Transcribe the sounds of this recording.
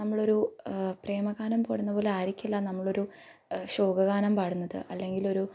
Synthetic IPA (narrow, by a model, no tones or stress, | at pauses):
nɐmːɐɭo̞ɾupre̞ːmɐɣaːnɐmpo̰ːɽunːɐpo̞ːle̞aːɾikʲːulːɐnɐmːɐɭo̞ɾu | ɕo̞ːɡɐɣaːnɐmpaːɽunːɐðɨ̰ʔɐlːe̞ŋɡilo̞ɾu